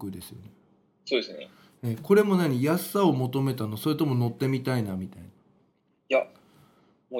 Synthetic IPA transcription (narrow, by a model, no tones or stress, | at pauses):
kɯd̪e̞sɨjo̞̰ne | soːd̪esɨnḛ | eko̞ɾe̞mo̞naɲ̟ijasːao̞mo̞t̪o̞me̞t̪anoso̞ɾet̪o̞mo̞no̞t̪ːe̞mʲit̪ainamʲit̪aina | ja | mo